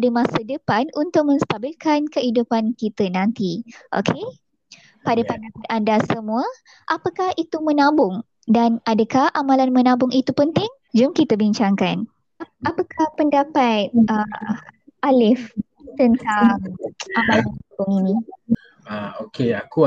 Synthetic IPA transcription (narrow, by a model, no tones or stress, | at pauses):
dəmasədəpanunt̪ʊk̚mə̃nst̪abilkankəidupankit̪ənãnt̪iʔo̰kʰe | padəpəndapat̪andasəmũə | ʔapakahit̪umənãbʊŋ | danadəkahʔamalanmənãbʊŋʔit̪upənt̪ɪŋ | d͡ʒʊmkit̪əbiɲt͡ʃaŋkan | apakahpəndapat̪̚ə | ʔalɪf | t̪ənt̪aŋʔamalabʊŋinĩ | aokeaku